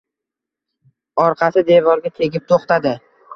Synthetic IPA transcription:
ɒɾqʰɑsɪd̪e̞vɒɾɡʲat̪ʰe̞ɡʲɪp̚t̪ʰoχt̪ad̪ɪ

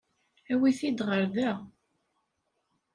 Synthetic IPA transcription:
æwiθid̪ʁəɾðæ

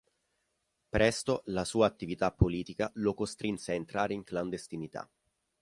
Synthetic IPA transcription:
pɾɛst̪olasuːaːt̪ːivit̪apːoliːt̪ikalokost̪ɾinseaent̪ɾaːɾeiŋkland̪est̪init̪a̰

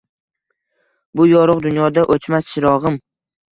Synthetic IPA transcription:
bʊjɒɾʊqd̪ʊnjɒd̪aʔot͡ʃmasʃʰɪɾɒʁɨm

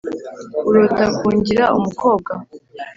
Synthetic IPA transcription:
uɾotakuːɲɟiɾaumuko̞ːb̚ɡa

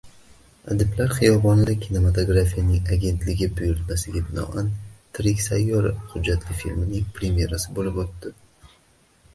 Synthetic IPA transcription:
a̰d̪ɪblaɾχɨjɒbɒnɪd̪akʲʰine̞mat̪ʰo̞ɡɾafijanɪŋaɡʲe̞nt̪lɪɡʲɪbʊjʊɾt̪masɪɡʲabɪnɒ̰ʔant̪ʰɾɪkʲsajːɒɾɪhʊd͡ʒːat̪ʰlɪfḭlmɪnɪŋpʰɾe̞mje̞ɾasɪbolɪpot̪ːɪ

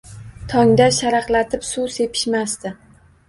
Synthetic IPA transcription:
t̪ʰɒŋd̪aʃaɾɑqlat̪ʰɪpsuse̞pʰɪ̥ʃmast̪ɪ

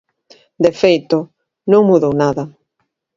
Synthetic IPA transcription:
d̪efejt̪o | nõŋmuðownaðɐ

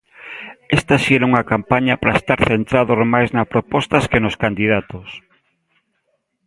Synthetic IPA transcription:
ɛst̪ɐʃiɛɾauŋɐkampaɲɐpɾaest̪aɾθent̪ɾaðormajznɐspɾopɔst̪ɐskenoskand̪iðat̪os

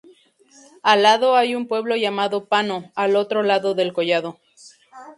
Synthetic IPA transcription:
alːaðo̞ajumpwe̞βlo̞ʝamaðopanoalo̞t̪ɾo̞laðoðe̞lkoʝaðo

